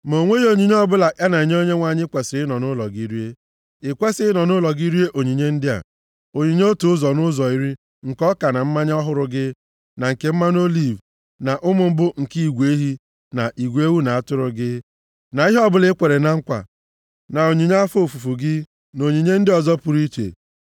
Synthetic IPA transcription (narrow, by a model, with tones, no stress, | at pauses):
mo˨ŋʷe˦o˨ɲi˨ɲ˦ɔ˦bʊ˦la˨ʔa˦na˨i˨ɲ˦o˦ɲe˦ŋʷa˨ɲɪ˦kʷe˨sɾɪ˦nɔ˨nʊ˦lɔ˨ɡi˦ɾi˦e˦ | ɪ˨kʷe˦sɪ˦ɪ˦nɔ˨nʊ˦lɔ˨ɡi˦ɾi˦e˦ʔo˨ɲi˨ɲe˦n̩˦dɪ˦a̰˨ | o˨ɲi˨ɲ˦o˦tu˨ʊ˦zɔ˨nʊ˦zɔ˨i˦ɾi˦ | ŋ̩˨kɔ˦ka˨na˨m̩˦ma˦ɲ˦ɔ˦ɦʊ˦ɾʊ˦ɡɪ˦ | na˨ŋ̩˨ke˨m̩˦ma˦no˦li˦˨v | na˨ʔʊ˦mʊ˨m̩˦bʊ˦ŋ̩˨ki˦i˨ɡʷe˦ɦi˦ | na˨ʔi˨ɡʷe˦wu˦na˨a˦tʊ˦ɾʊ˦ɡɪ˦ | na˨˦i˦ɦɔ˦bʊ˦lɪ˦kʷe˨ɾe˨na˦˨ŋ̩˦kʷa̰˨ | na˨o˨ɲi˨ɲa˦fo˦˨fu˨fu˨ɡɪ˦ | no˨ɲi˨ɲe˦n̩˦dɪ˦ɔ˨zɔ˦pʊ˨ɾi˦t͡ʃḛ˨